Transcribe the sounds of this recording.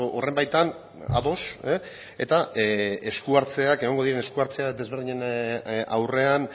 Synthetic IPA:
ʔorembajt̪an | a̰ðo̞s | e̞̰t̪aeskuaɾt͡se̞ake̞ɣoŋɡoðiɾe̞ne̞skuaɾt͡se̞ad̪eβe̞ɾðiɲena̰wre̞an

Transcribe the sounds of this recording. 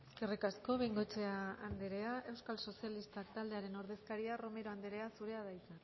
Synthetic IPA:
eskerikasko̞βejŋɡo̞t͡ʃeaand̪eɾe̞aʔe̞wskalso̞sialist̪akt̪ald̪e̞aɾe̞no̞ɾð̞e̞skaɾiaro̞me̞ɾo̞and̪eɾe̞asuɾe̞aðajt͡sa

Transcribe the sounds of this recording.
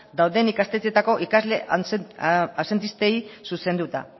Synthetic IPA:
d̪awðe̞nikast̪et͡se̞t̪ako̞ʔikazle̞ | ase̞nt̪ist̪e̞isuse̞nd̪ut̪a̰

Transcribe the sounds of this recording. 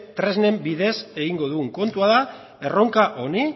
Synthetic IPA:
t̪ɾe̞zne̞mbiðe̞se̞ɣiŋɡo̞ð̞uŋko̞nt̪uaða | e̞ro̞ŋkaʔo̞ni

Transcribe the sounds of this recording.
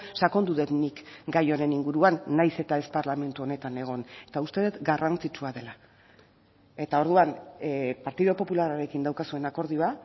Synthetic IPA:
sako̞nd̪uðet̪nikɡajo̞ɾe̞niŋɡuɾuanːajse̞t̪ae̞spaɾlame̞nt̪uo̞ne̞t̪ane̞ɣ̞o̞net̪aust̪e̞ðet̪ɡarant͡sit͡ʃuaðe̞la | e̞t̪ao̞ɾðuanpaɾt̪iðopo̞pulaɾaɾe̞kind̪awkasue̞nako̞ɾðioa

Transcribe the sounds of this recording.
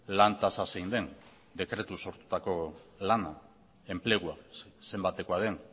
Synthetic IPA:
lant̪asasejnd̪e̞n | d̪e̞kɾe̞t̪uso̞ɾt̪u̥t̪ako̞lana | e̞mple̞ɣ̞uase̞mbat̪eko̞að̞e̞n

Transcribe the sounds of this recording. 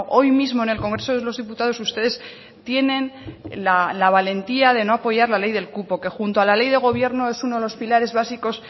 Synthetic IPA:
ʔo̞jmizmo̞ene̞lko̞ŋɡɾe̞so̞ðelo̞zðiput̪að̞o̞sust̪e̞ðe̞s | t̪je̞nẽ̞nlalaβ̞ale̞nt̪iaðe̞no̞apo̞ʝaɾlale̞jðe̞lkupo̞ke̞xunt̪oalale̞jðe̞ɣ̞o̞β̞je̞ɾno̞e̞sunoðelo̞spilaɾe̞zβasiko̞s

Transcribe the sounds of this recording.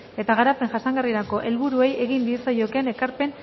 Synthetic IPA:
e̞t̪aɣaɾape̞ŋʝasaŋɡariɾako̞ʔe̞lβuɾue̞je̞ɣind̪isojoke̞ne̞kaɾpe̞n

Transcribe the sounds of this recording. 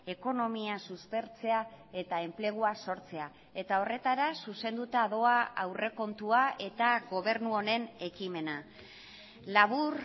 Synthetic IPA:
e̞ko̞no̞miasuspe̞ɾt͡se̞ae̞t̪ae̞mple̞ɣ̞uaso̞ɾt͡se̞a | e̞t̪ao̞re̞t̪aɾasuse̞nd̪ut̪aðo̞aawre̞ko̞nt̪uae̞t̪aɣo̞β̞e̞ɾnuo̞ne̞ne̞kime̞na | laβ̞uɾ

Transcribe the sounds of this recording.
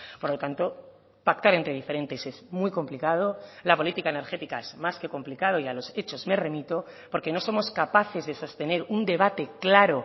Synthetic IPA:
po̞ɾlo̞t̪ant̪o̞ | pak̚t̪aɾe̞nt̪ɾe̞ðife̞ɾe̞nt̪e̞se̞zmwiko̞mplikað̞olapo̞lit̪ikaene̞ɾxe̞t̪ikaezmaske̞ko̞mplikaðo̞ialo̞se̞t͡ʃo̞zme̞re̞mit̪o̞ | po̞ɾke̞no̞so̞mo̞skapaθe̞zðe̞so̞st̪e̞ne̞ɾund̪e̞β̞at̪e̞klaɾo̞

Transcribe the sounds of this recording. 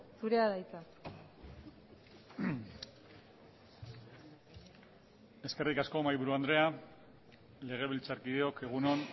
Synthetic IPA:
suɾeaðajt͡sa | e̞ske̞rikasko̞majβuɾuand̪ɾe̞a | le̞ɣ̞e̞β̞ilt͡saɾkið̞eo̞ke̞ɣ̞uno̞n

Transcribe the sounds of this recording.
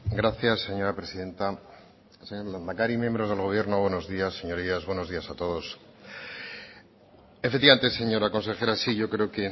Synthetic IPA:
ɡɾaθjasːe̞ɲo̞ɾapɾesiðe̞nt̪a | seɲoamakaɾimje̞mbɾo̞zðe̞lɣo̞βje̞ɾnoβwe̞no̞zðiasːe̞ɲoɾiazβwe̞no̞zðiasat̪o̞ðo̞s | efekt̪iβament̪ese̞ɲo̞ɾako̞nse̞xe̞ɾasiʝo̞kɾeoke̞

